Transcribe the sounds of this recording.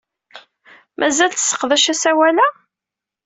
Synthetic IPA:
mʔæzælt͡s̪sːə̥qðæʃæsæwælæ

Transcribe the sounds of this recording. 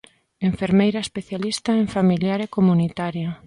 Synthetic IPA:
eɱfeɾmejɾɐespeθjalist̪ɐeɱfamiljaɾekomunit̪aɾja

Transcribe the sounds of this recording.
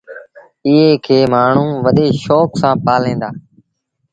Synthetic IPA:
ɪɦeːkʰeːmaːɳ̤ũːʋəɗeːʃoːksãːpaːlẽːnd̪aː

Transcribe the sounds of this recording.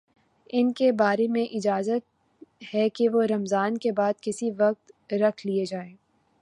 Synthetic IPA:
ɪnkebaːɾemẽʔɪd͡ʒaːzət̪̚ | hɛkeʋoɾɐmzaːnkebaːd̪̚kɪsiʋɐq̚t̪ɾɐkʰlied͡ʒaːẽː

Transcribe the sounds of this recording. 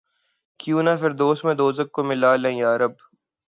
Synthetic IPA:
kjũːnaːfɪɾd̪oːsmẽd̪oːzək̚kːomɪlaːlẽjaːɾɐb

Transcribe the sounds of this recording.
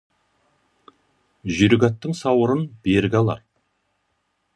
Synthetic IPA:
ʒʏɾɡʲɑt̪ːəŋsɑwəɾənbeɾɡʲɑlˠɑ̰ɾ

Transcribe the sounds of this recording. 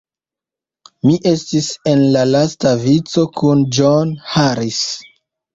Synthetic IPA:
miʔe̞stise̞nlalastavit͡so̞kʰund͡ʒonhaɾis

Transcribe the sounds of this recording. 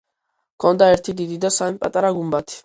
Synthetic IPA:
kʰɔnd̪aɛɾt̪ʰid̪id̪id̪asamipʼat̪ʼaɾaɡumbat̪ʰi̥

